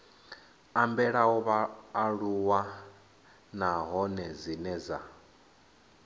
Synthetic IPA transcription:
ambɛɺaɔβaːɺuwa | naɦɔnɛzinɛza

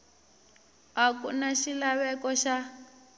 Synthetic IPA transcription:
akunaʃilaβɛkɔʃa

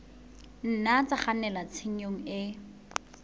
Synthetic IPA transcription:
n̩nat͡saχanɛlat͡sʰeɲ̩oŋ̩ɪ

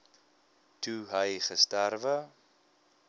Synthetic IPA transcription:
tuɦəjχəstærvə

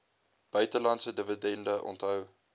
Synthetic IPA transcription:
b̥œɥtəlɐntsədəvədɛndəʔɔ̰ntɦœw

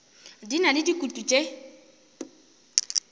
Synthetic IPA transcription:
dinalɪdikutʼut͡ʃʼe

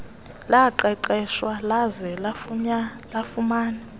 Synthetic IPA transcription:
laǃɛǃɛʃwalazɛlafɲa | lafumaːnɛ

